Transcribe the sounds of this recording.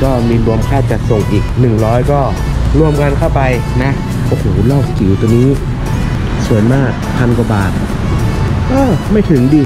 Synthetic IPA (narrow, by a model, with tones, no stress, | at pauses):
kɔː˥˩miː˧ɾu˧əmkʰaː˥˩t͡ɕa˨˩k̪̚so˨˩ŋʔiː˨˩k̚nɯ˨˩ŋɾɔː˦˥jkɔː˥˩ | ɾu˧əmka˧nkʰa˥˩wpa˧j | na˦˥ | ʔoː˧˩hoː˨˩˦lɔː˥˩k̚ki˨˩˦wt̪u˧niː˦˥ | su˨˩˦əjmaː˥˩k̚pʰa˧nka˨˩baː˨˩t̪̚ | kɔː˥˩ma˥˩jt̪ʰɯ˩˦ŋdiː˧